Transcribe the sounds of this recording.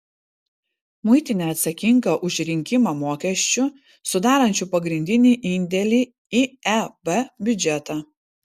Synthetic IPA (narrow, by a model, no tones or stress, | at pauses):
mʊɪt̪ʲɪnʲɛːɐt̪sɐkʲɪŋɡɐʔʊʃʲɾʲɪŋʲkʲɪmɑmoːkʲɛʃʲt͡ʃʲʊ | sʊd̪ɑːɾɐnʲt͡ʃʲuːpɐɡɾʲɪnʲd̪ʲɪnʲiːʔɪnʲd̪ʲɛlʲiː | iɛbɛbʲʊd͡ʒʲɛt̪ɑː